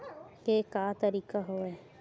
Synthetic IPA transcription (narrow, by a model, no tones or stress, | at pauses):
kekaːt̪ɐɾiːkaɦoʋɛ